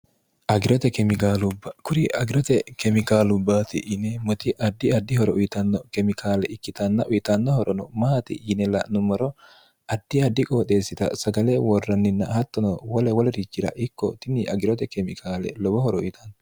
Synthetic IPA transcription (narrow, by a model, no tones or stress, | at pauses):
ʔɐɡɪɾɔt̪ɛkɛmɪkaːlʊbːɐkʊɾɪʔɐɡɪɾɔt̪ɛkɛmɪkaːlʊbːaːt̪ɪ̰ʔɪnɛmɔt̪ɪʔɐd̪ːɪɐd̪ːɪhɔɾɔʔʊjɪt̪ɐnːɔkɛmɪkʰaːlɛʔɪkːɪt̪ɐnːɐʔʊjɪt̪ɐnːɔhɔɾɔnɔmaːt̪ɪ̰jɪnɛlɐ̰nʊmɐɾɔ | ʔɐd̪̥ːɪɐd̪ːɪkʼoːt̪ʼe̞ːsːɪt̪ɐ̰sɐɡɐleːwɔrːɐnːɪnːɐhɐt̪ːɔnɔwɐlɛwɔlɛɾɪd͡ʒɪɾɐ̰ʔɪkːɔt̪ɪnːɪʔɐɡɪɾɔt̪ɛkɛmɪkʰaːlɛ̰lɔbɔhɔɾɔʊjɪt̪ʰɐnːɔ